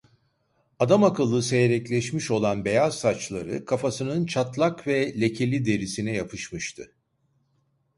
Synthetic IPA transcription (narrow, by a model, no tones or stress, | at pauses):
ad̪amakɯlˠːɯse̞jeɾɛclʲɛʃmiʃo̞lˠanbe̞jazːat͡ʃlˠaɾɯ̰kʰafasɯnɯnt͡ʃʰat̪lˠakvɛlʲe̞cʰe̞lʲid̪e̞ɾisinɛjapʰɯʃmɯʃt̪ʰɯ